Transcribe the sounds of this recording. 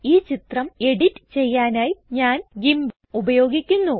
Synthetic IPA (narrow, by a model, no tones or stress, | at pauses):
iːt͡ɕit̪rɐme̞ɽitːɨ̥t͡ɕe̞jːaːnaːjɲaːnɡimbɐmubɐjo̞ːɡikʲːunːu